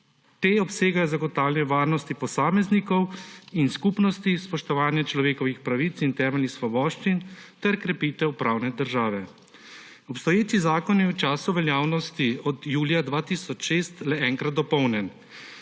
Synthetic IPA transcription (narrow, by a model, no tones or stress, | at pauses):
t̪eːɔpseːɡajɔzaɡɔt̪aːwlnɛʋaːɾnɔst̪ipɔsaːmɛznikɔwinskuːpnɔst̪ispɔʃt̪ɔʋaːnjat͡ʃlɔʋeːkɔʋixpɾaʋit̪sint̪ɛːmɛlnixsʋɔbɔːʃt͡ʃint̪ɛɾkɾɛpiːt̪ɛwpɾaːwnɛd̪əɾʒaːʋɛ | ɔpst̪ɔjeːt͡ʃizaːkɔnjɛwt͡ʃaːsuʋɛljaːwnɔst̪iɔd̪juːljad̪ʋaːt̪isɔt͡ʃʃeːst̪lɛɛːŋkɾat̪̚ːɔpɔwnjɛn